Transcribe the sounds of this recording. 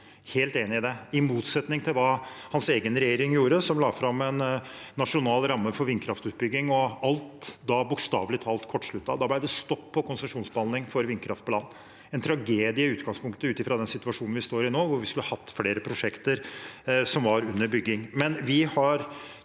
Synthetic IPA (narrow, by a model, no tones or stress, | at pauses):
heːlt̪eːnɪɪd̪ɛɪmuːt̪sɛt̪nɪŋt̪ʰɪlʋɑːhɑnseːɡənɾɛjeːɾɪŋjuːɾəsɔmlɑːfɾɑmɛnːɑʂʊnɑːlɾɑmːəfɔɾʋɪnːkʰɾɑft̪ʉːt̪̚bʏɡːɪŋɔɑlt̪d̪ɑbʊkst̪ɑ̰ːʋlɪt̪ʰɑːlt̪kʰɔʈːʂɭʉt̪ːɑ̰ʋd̪ɑblæɪd̪ɛst̪ɔpʰːɔkʊnsɛʂuːnsbəhɑlnɪŋfɔɾʋɪnːkʰɾʔɑft̪pɔlɑːn | ɛnt̪ʰɾɑɡeːd̪ɪəʉːt̪ɡɑŋspʊŋkt̪əʉːt̪ɪfɾɑd̪ɛnsɪt̪ʉʋɑʂuːnn̩ʋɪst̪oːɾɪnoːʋʊɾʋɪskʉlhəɑhɑt̪ːfleːɾəpʰɾʊʂɛkt̪əɾsɔmʋɑɾʉnːəɾbʏɡːɪŋmɛnʋɪhɑɾ